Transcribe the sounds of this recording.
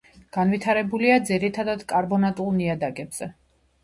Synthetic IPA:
ɡ̥anvit̪ʰaɾɛbuliad̪ziɾit̪ʰad̪ad̪kʼaɾbɔnat̪ʼulˠniad̪aɡɛbz̥ɛ

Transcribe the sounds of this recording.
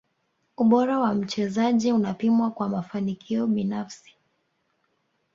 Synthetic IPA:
uɓɔɾawam̩t͡ʃɛzaʄiunapimwakwamafanikʰiɔɓinafsi̥

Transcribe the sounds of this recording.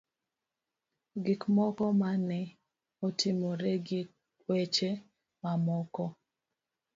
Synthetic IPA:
ɡikmɔkɔmanɛ | otʰɪmoɾeɡik | wet͡ʃe | mamɔkɔ

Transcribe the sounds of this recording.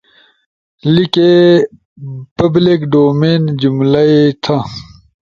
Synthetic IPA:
like | pɐblikɖoːmeːnd͡ʑumlɐit̪ʰɐ

